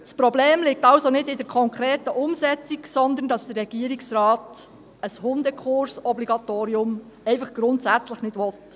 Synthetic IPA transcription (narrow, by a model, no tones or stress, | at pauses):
spɾɔbleːmlɪk̚tɑwsonɪdɪdɛɾkʰɔŋkʰɾeːtəʔʊmsɛt͡siksɔnd̪əndɑsd̥̪ərɛɡ̥iːɾiksrɑːt | əshʊnd̪əkʰχʊɾsɔbliɡɑt̪oːɾiʊm | ɛɪfɑχɡ̥ɾʊntsæt͡sləχnɪdʋɔt